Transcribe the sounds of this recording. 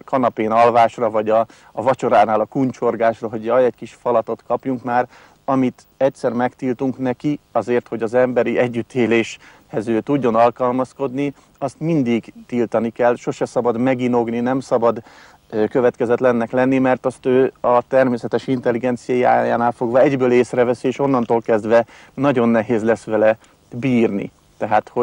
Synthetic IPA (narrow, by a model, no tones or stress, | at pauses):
kɒnɒpeːnɒlvaːʃrɒvɒɟɒː | vɒt͡ʃo̞ɾaːnaːlɒkunt͡ʃo̞rɡaːʃrɒɦo̞ɟjɒjɛckiʃfɒlɒt̪o̞t̪kɒpjuŋkmaːr | ɒmit̪ | ɛc̚t̪sɛrmɛkt̪ilt̪uŋknɛkiɒzeːrt̪ho̞ɟɒzɛmbɛɾiʔɛɟːyt̪ʰːeːleːʃ | hɛzøːt̪uɟːo̞nɒlkɒlmɒsko̞d̪ni | ɒst̪mind̪iɡt̪ilt̪ɒnikɛlʃo̞ʃɛsɒbɒd̪mɛɡino̞ɡninɛmsɒbɒd̪ | køvɛt̪kɛzɛt̪lɛnːɛklɛnːimɛrt̪ɒst̪øːɒt̪ɛrmeːsɛt̪ɛʃint̪ɛlːiɡɛnt̪sijajia̰ːja̰ːnaːlfo̞ɡʋɒɛɟbøːleːsrɛvɛsieːʃo̞nːɒnt̪oːlkɛzd̪ʋɛ | nɒɟo̞nːɛɦeːzlɛsʋɛlɛ | biːrnḭ | t̪ɛɦaːt̪ho